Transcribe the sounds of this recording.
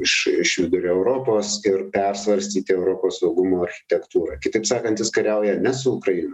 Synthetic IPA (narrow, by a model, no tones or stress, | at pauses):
ɪʃɪʃʋʲɪd̪ʊɾʲoːɛʊɾoːpoːsɪrpʲɛrsʋɐɾʲsʲt̪ʲiːt̪ʲɪɛʊɾoːpoːssɒʊɡʊmoːɐɾʲxʲɪ̥t̪ʲɛkt̪uːɾɑkʲɪt̪ɐɪpsɑːkɐnt̪jʲɪskɐɾʲɛʊjɛnʲɛsʊʊkɾɐɪno